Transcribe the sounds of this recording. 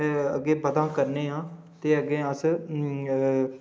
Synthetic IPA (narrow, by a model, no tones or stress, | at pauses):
ə̰ɡeːbəd̪ãːkəɾneːɦãː | t̪eːəɡeːəs